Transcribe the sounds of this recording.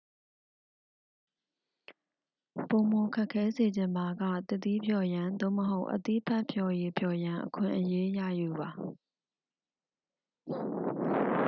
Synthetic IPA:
põ˨mo˨kʰɛ˦kʰːɛ˦ze˨d͡ʑɪ̃˨mba˨ɡä̰˦˨t̪ɪ˦˨t̪i˦pʰjɔ˨jã˨nd̪o̰˦˨məɦo˦ʊʔət̪ḭ˦˨pʰɛ˦ʔpʰjɔ˨je˨pʰjɔ˨jã˨ʔəkʰɪ̰̃˨ʔəje˦jä̰˦˨ju˨ba˨

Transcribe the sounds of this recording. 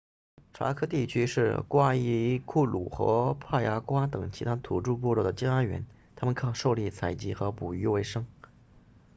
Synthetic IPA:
ʈ͡ʂʰa̰˧˥kʰɤ˥t̪i˥˩t͡ɕʰy˥ʂɻ̩˥˩kwa˥i˧˥kʰu˥˩lṵ˨˩xɤ̰˧˥pʰa˥˩ja˧˥kwa˥t̪ɤ˨˩ŋt͡ɕʰi˧˥t̪ʰa˥t̪ʰu˨˩ʈ͡ʂu˥˧p̬wɔ˥˧lwɔ˥˩d̪ə˩t͡ɕi˥ŋa˥nɥɛ̰˧˥n | t̪ʰa˥mə˨nkʰɑ˥˩ŋʂo˥˧ʊli˥˩t͡sʰa˨˩ɪt͡ɕi˧˥xɤ˧˥pu˨˩y˧˥we˧˩ɪʂɤ˥ŋ

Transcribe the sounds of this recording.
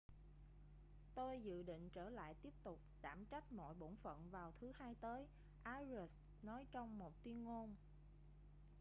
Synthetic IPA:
t̪o˧jzɨ̰˧˨ɗḭ̈˧˨ŋ̟t͡ɕəː˧˩la̰ː˧˨jt̪i˦˥əp̚t̪ʊ˨˩k͡p̚t̪aː˧˩mt͡ɕa˦˥jk̚mɔ̰˧˨jɓo̰˧˩nfə̰˧˨nvaː˨˩wt̪ʰɨ˨˦haː˧jt̪əː˨˦j | ʔaː˧zə˨˩s | nɔ˨˦jt͡ɕɔ˧wŋ͡mmo˨˩t̚t̪wi˧ənŋo˧n

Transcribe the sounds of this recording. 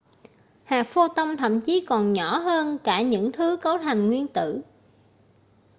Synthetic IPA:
haː˨˩k̚fo˧t̪ə˧wŋ͡mt̪ʰə̰˧˨mt͡ɕi˨˦kɔ˨˩nɲɔ˧˩˥ɦəː˧nkaː˧˩ɲɨ̰˧˥ŋt̪ʰɨ˨˦kə˨˦wt̪ʰa˨˩jŋ̟ŋwi˧ənt̪ɨ̰˧˨

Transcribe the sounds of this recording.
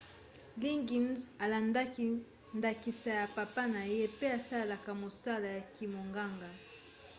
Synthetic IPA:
li˦ŋɡi˨nza˨la˨nda˦ki˦ | nda˨ki˨sa˨ja˨pa˨pa˦na˨je˦pe˦a˨sa˦lla˨ka˨mo˨sa˦la˨ja˨ki˨mo˨ŋɡa˦ŋɡa˨

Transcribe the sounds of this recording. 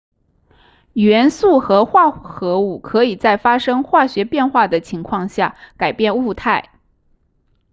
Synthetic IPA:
ɥɛ˧˥nsu˥˩xɤ˧˥xwa˥˩xɤ˧˥u˥˩kʰɤ˧˥i˨˩t͡sa˥˩ɪfa˥ʂɤ˥ŋxwa˥˩ɕɥɛ˧˥pjɛ˥˧nxwa˥˩d̪ə˩t͡ɕʰi˧˥ŋkʰwɑ˥˧ŋɕja˥˩ka˨˩ɪpjɛ˥˧nu˥˧t̪ʰa˥˩ɪ

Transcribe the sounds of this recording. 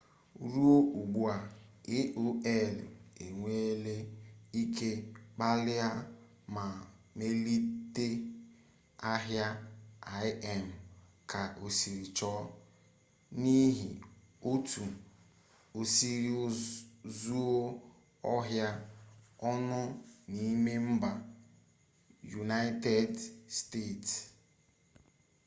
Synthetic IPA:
ɾu˦o˦ʔu˨ɡ͡bu˦a˨ɪ˦ʔo˦e˦˨le˨ŋʷe˦le˦i˦ke˦k͡pa˦lɪ˦a˦ | ma˨me˦li˦te˦ | a˦ɦja˦a˨ɪ˦ɛ˨m̩˨ | ka˨ʔo˨si˨ɾi˨t͡ʃɔ˦ | ni˦ɦi˨ | o˦tʰu˨ | o˨si˨ɾi˦zu˦o˦ | ɔ˦ɦja˦ɔ˦nʊ˦ni˦me˦m̩˦ba˨ | ju˨na˦te˦dste˦˨t

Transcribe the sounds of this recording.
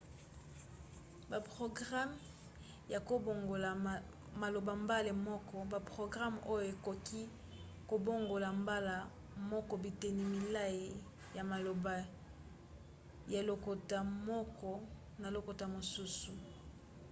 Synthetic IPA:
ba˨pʁo˨ɡʁa˦m | ja˨ko˦bo˨ŋɡo˨la˨ | ma˨lo˨ba˨mba˦le˨mɔ˦kɔ˦ba˨pʁo˨ɡʁa˦mo˦jo˨e˨ko˨ki˦ | ko˨bo˦ŋɡo˨la˨mba˦la˨ | mɔ˦kɔ˨bi˨te˨ni˨mi˨la˦i˨ | ja˨ma˨lo˨ba˨ | ja˨lo˨ko˨ta˨mɔ˦kɔ˦ | na˨lo˨ko˨ta˨mo˨su˦su˨

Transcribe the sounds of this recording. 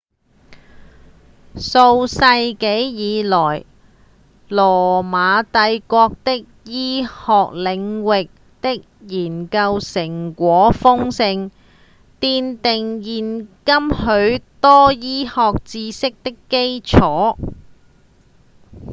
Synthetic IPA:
so˧wsɐ˧jke˨˥jjiː˨˧lɔː˨˩j | lɔː˨˩maː˨˧t̪ɐ˧jkʷɔː˧k̚t̪ɪ˥k̚jiː˥hɔː˨k̚lɪ˨˧ŋwɪ˨k̚ | t̪ɪ˥k̚jiː˨˩nkɐ˧wsɪ˨˩ŋkʷɔː˨˥fʊ˥ŋsɪ˧ŋ | t̪iː˧nt̪ɪ˨ŋjiː˨nkɐ˥mhɵ˨˥ɥt̪ɔː˥jiː˥hɔː˨k̚t͡siː˧sɪ˥k̚t̪ɪ˥kːe˥jt͡sʰɔː˨˥

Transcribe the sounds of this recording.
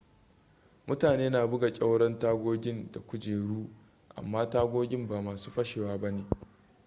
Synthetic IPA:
mʊ˦taː˨neː˦naː˨bʊ˦ɡa˨kʲʼa˦wɽɐ˦ntaː˦ɡʷoː˦ɡʲɪ˦nda˨kʷʊ˦d͡ʒeː˨ɽuː˦ | ʔa̰˨mːaː˦taː˦ɡʷoː˦ɡʲɪ˦mbaː˨maː˨su̥ː˦ɸɐ˦ʃeː˨waː˦ba˦neː˨

